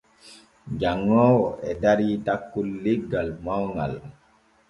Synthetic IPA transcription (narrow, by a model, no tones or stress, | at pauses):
d͡ʒaŋːɔːwɔɛdaɾitakːulːiɡalmawŋa̰l